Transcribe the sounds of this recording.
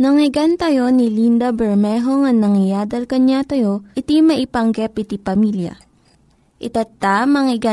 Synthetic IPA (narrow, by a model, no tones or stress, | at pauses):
nɐŋɪɡant̪ɐjo̞nilind̪ɐbɛɹmɛɦoŋɐŋnɐŋɪjaːd̪ɐlkɐɲat̪ɐjo̞ʔɪt̪imɐʔɪpɐŋɡɛpɪt̪ipɐmiljɐ̰ | ʔɪt̪at̪amɐŋɪɡa